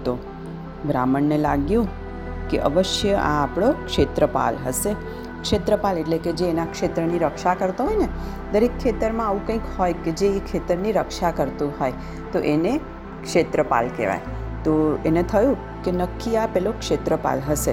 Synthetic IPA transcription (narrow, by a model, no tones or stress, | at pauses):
t̪o | bɾaməɳːelaɡjũ | keʔə̰ʋəʃjəʔa̰ːpɽ̃okʃet̪ɾəpa̰lɦəse | kʃet̪ɾəpaleʈleked͡ʒeːnakʃet̪ɾəniɾəkʃakəɾt̪aɦɔjne | d̪əɾekʰːet̪əɾmãaʋũkə̃ĩkhɔjked͡ʒeːkʃet̪əɾniɾəkʃakəɾt̪ũɦɔj | t̪oʔene | kʃet̪ɾəpa̰lkḛʋa̰j | t̪oenet̪ʰəjũ | kenəkːiapɛlokʃet̪ɾəpa̰lɦəʃe